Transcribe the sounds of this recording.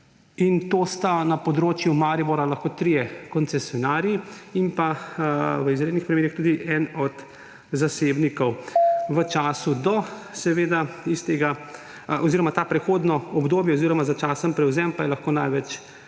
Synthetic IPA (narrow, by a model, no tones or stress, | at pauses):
int̪oːst̪anapɔd̪ɾoːt͡ʃjumaːɾiboɾalaxkoːt̪ɾijɛkɔnt̪sɛsjɔnaːɾjiimpa | ʋəizɾed̪nixpɾimeːɾixt̪uːd̪iʔɛnɔd̪ | zasebnikɔwʋət͡ʃaːsud̪ɔsɛʋeːd̪aist̪eɡa | ɔziɾɔmat̪apɾɛxoːd̪nɔɔbd̪oːbjɛoziːɾɔmazat͡ʃaːsəmpɾɛwzɛmpajɛlaxkoːnajʋɛt͡ʃ